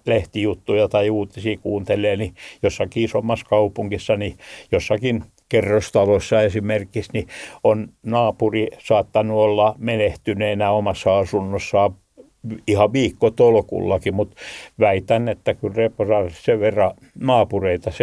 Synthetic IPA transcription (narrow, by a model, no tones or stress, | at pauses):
leht̪ijut̪ːujɑt̪ɑiuːt̪isiːkuːnt̪elˑeːnijosːɑkiisomːɑskɑupuŋkisːɑnijosːɑkin | kerːost̪ɑlosːɑesimerkisnionnɑːpurisɑːt̪ːɑnuolːɑmeneht̪yneinæomɑsːɑɑsunːosːɑ | ihɑʋiːkːot̪olŏkṵlːɑkimut̪ʋæit̪ænːet̪ːækylreporɑːritseʋʋerːɑ | nɑːpureit̪ɑse